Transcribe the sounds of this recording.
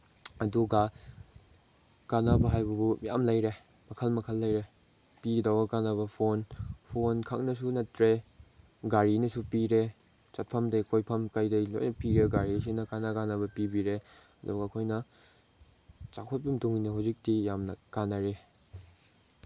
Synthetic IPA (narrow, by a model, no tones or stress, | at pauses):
ɐduɡɐ | kanɐbɐɦajbɐbuja̰mlɐjɾe | mɐkʰɐlmɐkʰɐlːɐjɾe | pidawɐkanɐβɐpʰonpʰonkʰaknɐs̬unɐtɾe | ɡaɾinɐsupiɾe | t͡ʃɐt̚pʰɐmdɐkʰojpʰɐmkajdɐlo̰jnɐpiɾeɡaɾis̬inɐkanɐɡanɐbɐpibiɾe | ɐduɡɐːkʰojnɐ | t͡ʃakʰot̚bimtuŋinɐɦawzik̚tijamnɐkanɐɾe